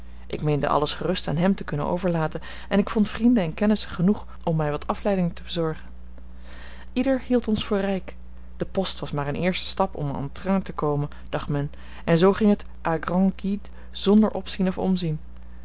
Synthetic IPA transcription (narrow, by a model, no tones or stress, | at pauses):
ʔɪ̰kmejndə̰ʔɑ̰ləsχərɵsta̰ːnɦɛmtəkɵnə̰no̰wvəɹlaːtən | ɛnɪkfɔntfrindənɛnkɛnəsəχənuχ | ʔɔmːɛjʋɑtʰɑflɛjdɪŋtəbəzɔɹχən | idəɹhilˠtɔnsfʊːɹrɛjk | d̥əpɔstʋɑsmaːɹənʔɪːɹstə̥stɑpɔ̰mɔ̰ntratəkowmən | d̥ɑχtmɛn | ɛnzowχɪŋɦət | ʔaːɡrɑ̃ŋɡit | z̥ɔndəɹʔɔpsinɔfɔ̰mzin